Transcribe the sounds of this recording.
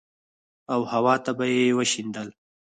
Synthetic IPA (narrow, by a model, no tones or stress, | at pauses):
awhawɑt̪abajewəʃind̪əl